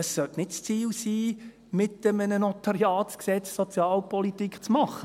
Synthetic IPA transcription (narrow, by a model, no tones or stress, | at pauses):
əssœtnɪtst͡siːlsiː | mɪtəmənənɔtɑɾiɑːsksɛt͡ssɔt͡sjɑːlpɔlitikʰt͡smɑχə